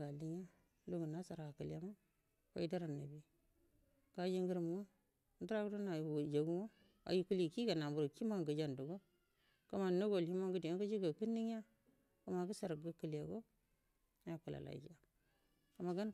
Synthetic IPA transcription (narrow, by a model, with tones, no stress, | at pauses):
ɡa˨li˦ŋ˦a˦ | lo˦ɡu˨na˦sa˨ɾa˨ɡa˨kə˨lja˦ma˦ | ka˦i˦da˦ɾa˨nːa˨bi˨ | ɡ̥a˨d͡ʒi˦ŋɡə˦ɾm˦ŋo˦ | du˦ɾa˦ɡu˦do˦na˨wd͡ʒa˨ɡu˦ŋo˦ | a̰˨ji˦ku˦li˦˨ki˦ɡa˨na˨mu˨ɾki˦ma˦ŋɡə˨d͡ʒa˨ndu˨ɡo˦ | ka˨ma˨no˦ɡo˨li˦ma˦ŋɡu˦di˨˦ɡa˦d͡ʒi˦ɡa˨ki˦nːi˦ŋ˦a˦ | ku˨ma˨ɡə˦sa˨ɾɡə˦kə˨la˨ɡo˦ | a˦ja˨ku˨la̰˨la̰˨d͡ʒa˨ | ka˨ma˨ɡa˦n